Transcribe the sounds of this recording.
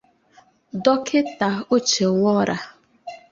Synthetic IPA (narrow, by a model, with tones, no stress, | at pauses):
dɔ˦kʰɪ˦ta˨o˦t͡ʃe˨ŋʷɔ˦ɾa˨